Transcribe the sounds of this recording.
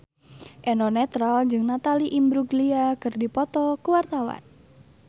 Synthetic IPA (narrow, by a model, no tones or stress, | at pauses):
ʔɛnɔnɛt̪ɾald͡ʒɨŋnat̪aliʔimbɾuɡliakɨrdipɔt̪ɔkuwart̪awa̰n